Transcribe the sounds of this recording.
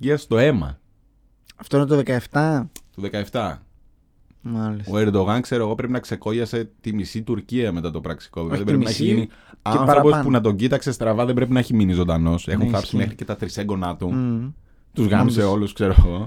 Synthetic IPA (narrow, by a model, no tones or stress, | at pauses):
iɐst̪o̞e̞mɐ̰ | ɐft̪oinet̪oðekɐeft̪ɐt̪uðe̞kɐe̞ft̪ɐ | mɐlsoe̞ɾd̪o̞ɣɐnkse̞ɾo̞eɣo̞pɾe̞pinɐkse̞ko̞ʝɐse̞t̪imisit̪uɾciɐme̞t̪ɐt̪o̞pɾɐksi̥ko̞vevɐðebɾepnɐeçiʝiniɐnθɾopo̞spunɐt̪o̞ɟit̪ɐkse̞st̪ɾɐvɐðebɾe̞pinɐeçiminizo̞nd̪ɐno̞se̞xunθɐpsimexɾice̞t̪ɐt̪ɾiseŋɡo̞nɐt̪u | t̪uzɣɐmise̞o̞luskse̞ɾoeɣo̞